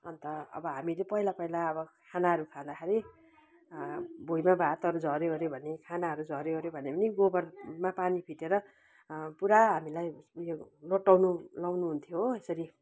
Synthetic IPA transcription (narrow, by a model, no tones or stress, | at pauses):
ʌ̰nt̪ʌʌ̰bʌɦamilepʌilapʌilaʌbʌkʰanaɦʌɾukʰãd̪akʰeɾi | bʱujmabʱat̪ʌɾud͡zʱʌɾjeʌɾjobʱʌnekʰanaɦʌɾud͡zʱʌɾjeʌɾjobʱʌnepʌniɡobʌrmapanipʰiʈeɾʌ | puɾaɦamilajjoloʈːawnulawnuɦunt̪ʰjoesʌɾi